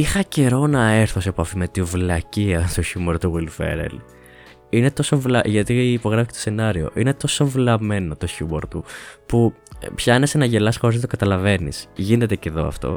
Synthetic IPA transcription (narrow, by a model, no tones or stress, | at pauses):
ixɐce̞ɾo̞nɐe̞ɾθosepɐfimet̪ivlɐciɐst̪oçumoɾt̪uɣilfḛɾḛl | ine̞t̪o̞so̞vlɐʝɐt̪iːpo̞ɣɾɐfi̥cet̪ose̞nɐɾio̞̰ʔinet̪o̞so̞vlɐme̞not̪o̞çumo̞ɾt̪upu | pçɐinesenɐʝe̞lɐsxoɾezðet̪o̥kɐt̪ɐlɐve̞nḭsʝine̞t̪e̞ceðo̞̰ɐ̰ft̪o̞̰